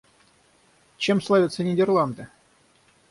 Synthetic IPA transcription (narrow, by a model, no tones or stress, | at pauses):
t͡ɕe̞mslˠavʲɪt̪sənʲɪdʲɪrlˠand̪ɨ